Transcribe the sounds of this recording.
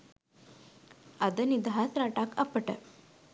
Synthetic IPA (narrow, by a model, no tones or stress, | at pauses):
əd̪ənid̪ʱɦasɾaʈaka̰pəʈə̰